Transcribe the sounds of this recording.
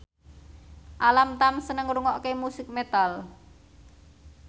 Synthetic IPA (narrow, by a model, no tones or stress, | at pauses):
ʔalamt̪amsənəŋɾuŋɔʔkemusɪk̚met̪al